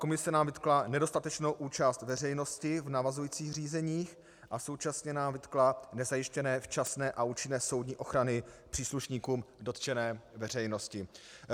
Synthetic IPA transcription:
ko̞mɪsɛnaːmvɪt̪klanɛdo̞st̪at̪ɛt͡ʃno̞wʔuːt͡ʃast̪vɛrɛjno̞scɪvnavazujiːt͡siːxr̝iːzɛɲiːx | ʔaso̞wt͡ʃasɲɛnaːmvɪt̪klanɛzajɪʃcɛnɛːft͡ʃasnɛːʔaʔuːt͡ʃɪnɛːso̞wdɲiːʔo̞xɾanɪpr̥iːsluʃɲiːkuːmdo̞t̪t͡ʃɛnɛːvɛrɛjno̞scɪ

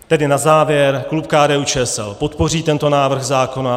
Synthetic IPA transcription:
t̪ɛdɪnazaːvjɛɾklupkaːdɛːuːt͡ʃɛːɛsɛ̰lpo̞t̪po̞riːt̪ɛnt̪o̞naːvr̩ɣzaːko̞na

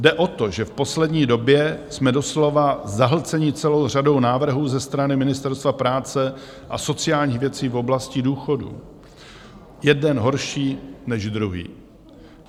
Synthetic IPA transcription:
dɛʔo̞t̪o̞ʒɛfpo̞slɛdɲiːdo̞bjɛsmɛdo̞slo̞vazaɦl̩t͡sɛɲɪt͡sɛlo̞wr̝ado̞wnaːvr̩ɦuːzɛst̪ɾanɪmɪnɪst̪ɛɾst̪vapɾaːt͡sɛ | ʔaso̞t͡sɪjaːlɲiːxvjɛt͡siːfo̞blascɪduːxo̞dṵ | jɛdɛnɦo̞ɾʃiːnɛʒd̪ɾuɦḭː

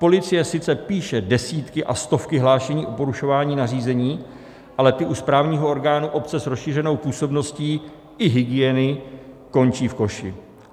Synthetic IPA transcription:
po̞lɪt͡sɪjɛsɪt͡sɛpiːʃɛdɛsiːt̪kɪʔa̰st̪o̞fkɪɦlaːʃɛɲiːʔo̞po̞ɾuʃo̞vaːɲiːnariːzɛɲiː | ʔalɛt̪ɪʔuspɾaːvɲiːɦo̞ʔo̞ɾɡaːnuʔo̞pt͡sɛsɾosʃiːrɛno̞wpuːso̞bno̞sciː | ʔɪɦɪɡɪjɛnɪ | ko̞nt͡ʃiːfko̞ʃɪ

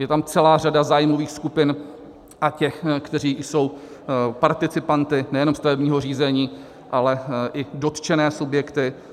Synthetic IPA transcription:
jɛt̪amt͡sɛlaːradazaːjmo̞viːxskupɪn | ʔacɛxkt̪ɛɾ̝iːjso̞w | paɾt̪ɪt͡sɪpant̪ɪnɛjɛno̞mst̪avɛbɲiːɦo̞riːzɛɲiː | ʔalɛʔɪdo̞t̪t͡ʃɛnɛːsubjɛkt̪ɪ

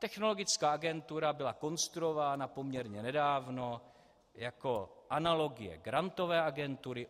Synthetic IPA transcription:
t̪ɛxno̞lo̞ɡɪt͡skaːʔaɡɛnt̪uɾabɪlako̞nst̪ɾuovaːnapomɲɛɾɲɛnɛdaːvno̞ | jako̞ʔanalo̞ɡɪjɛ̰ɡɾant̪o̞vɛːʔaɡɛnt̪uɾɪ

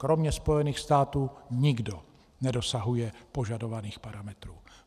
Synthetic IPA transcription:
kɾo̞mɲɛspo̞jɛniːxst̪aːt̪uːɲɪɡdo | nɛdo̞saɦujɛpoʒado̞vaniːxpaɾamɛt̪ɾuː

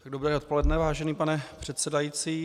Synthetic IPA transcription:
t̪aɡdobuɾɛɾot̪po̞lɛdnɛvaːʒɛniːpanɛpr̝̥ɛt̪sɛdajiːt͡siː

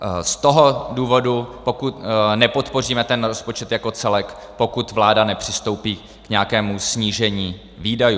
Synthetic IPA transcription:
st̪o̞ɦo̞duːvo̞dupo̞kut̪nɛpo̞t̪po̞r̝iːmɛt̪ɛnɾospo̞t͡ʃɛt̪jako̞t͡sɛlɛkpo̞kut̪vlaːdanɛpr̝̥ɪst̪o̞wpiː | kɲɛakɛːmusɲiːʒɛɲiː | viːdaju

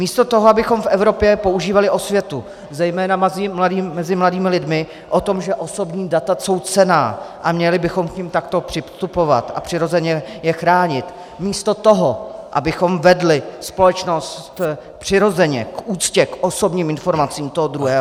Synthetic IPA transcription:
miːst̪o̞t̪o̞ɦoabɪxo̞mfʔɛvɾo̞pjɛpo̞uʒiːvalɪʔo̞svjɛt̪u | zɛjmɛːnamazɪmladiːmɛzɪmladiːmɪlɪdmɪ | ʔo̞t̪o̞mʒɛʔo̞so̞bɲiːdat̪aso̞wt͡sɛnaːʔamɲɛlɪbɪxo̞mkɲɪmt̪akt̪o̞pr̥ɪst̪upo̞va̰t̪ʔa̰pr̥ɪɾo̞zɛɲɛjɛxɾaːɲɪt̪ | miːst̪o̞t̪oɦoʔa̰bɪxo̞mvɛdlɪspo̞lɛt͡ʃno̞st̪ | pr̥ɪɾo̞zɛɲɛkʔuːt͡scɛkʔoso̞bɲiːmɪnfo̞ɾmat͡siːmt̪oɦod̪ɾuɦɛː

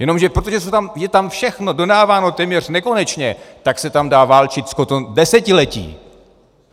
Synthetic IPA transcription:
jɛno̞mʒɛpɾot̪oʒɛsɛt̪amjɛt̪amfʃɛxno̞do̞daːvaːno̞t̪ɛːmɲɛr̝nɛko̞nɛt͡ʃɲɛt̪aksɛt̪amdaːvaːlt͡ʃɪt̪skot̪odɛsɛcɪlɛcḭː

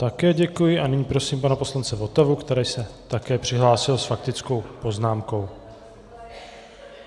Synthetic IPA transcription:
t̪akɛːɟɛkujɪʔanɪɲiːpɾo̞siːmpanapo̞slant͡sɛvo̞t̪ɛvukt̪ɛɾɛːjsɛt̪akɛːpr̝̥ɪɦlaːsɪlsfak̚t̪ɪt͡sko̞wpo̞znaːmko̞w

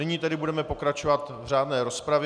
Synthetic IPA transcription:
ɪɲiːt̪ɛdɪbudɛmɛpo̞kɾat͡ʃo̞vat̪vr̝aːdnɛːɾo̞spɾav

